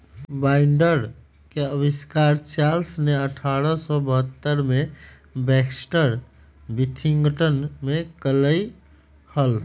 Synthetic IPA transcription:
baɪɳɖəɾ | keəbiskaɾt͡ʃalsneəʈʰaɾəsɔbəɦət̪ːəɾme | bɛksʈəɾ | bit̪ʰiŋɡəʈənmekələj | həl

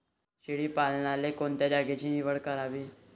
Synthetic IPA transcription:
ɕiɭiːpalnalekoɳt̪jad͡ʑaɡet͡ɕiːniʋəɭkəɾaʋiː

